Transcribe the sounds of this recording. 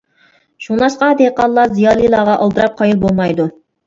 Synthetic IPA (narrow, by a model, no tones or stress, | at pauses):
ʃunlˠɑʃqɑd̪eqɑlˠːɑzijɑːlˠɨjlˠɑːʁɑʔɑlˠd̪ɨɾɑp̚qʰɑjɨlˠbolˠmɑjd̪u